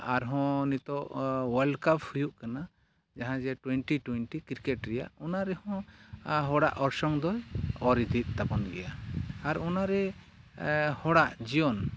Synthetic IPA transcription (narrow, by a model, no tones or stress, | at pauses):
aɾɦɔ̃nit̪ɔʔwalɖkapʰhujuʔkana | d͡ʒaɦãd͡ʒɛʈwɛɳʈiʈwɛnʈikiɾkɛʈɾɛja̰ʔɔnaɾɛhɔ̃ɦɔɽa̰ʔɔɾsɔŋd̪ɔjɔɾid̪ʱit̪̚t̪apɔnɡɛ̰jaːɾɔnaɾɛ | hɔɽaʔd͡ʒijɔn